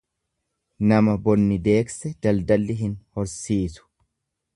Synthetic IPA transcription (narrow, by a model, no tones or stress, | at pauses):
nɐmɐbɔnːɪd̪e̞ːksɛd͡ʒ̪ɐld̪ɐlːɪɦɪnhɔɾsiːsʊ̥